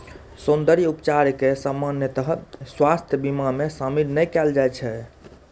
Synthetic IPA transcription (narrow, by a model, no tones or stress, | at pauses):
sund̪əɾijupt͡ʃaɾkesəmːanjət̪əɦəswast̪ʰjəbimamesamilnɛjkɛld͡ʒajt͡ʃʰɛ